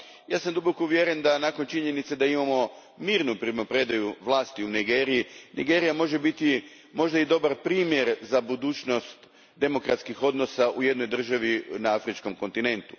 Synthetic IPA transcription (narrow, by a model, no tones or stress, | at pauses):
jaːsamd̪ubokouʋjeɾend̪anaːko̞nt͡ʃiɲe̞nit̪sed̪aimamo̞ | miːɾnupɾimapɾed̪ajuʋlˠaːst̪iuniɡeːɾijiniɡe̞ːɾijamo̞ʒe̞bit̪i | mo̞ʒd̪aid̪o̞baɾpɾiːmje̞ɾzabud̪uːt͡ʃno̞st̪ | d̪e̞mo̞kɾat̪skixo̞d̪no̞saʔuje̞d̪no̞jd̪r̩ʒaʋinaafɾit͡ʃko̞mko̞nt̪ine̞nt̪u̥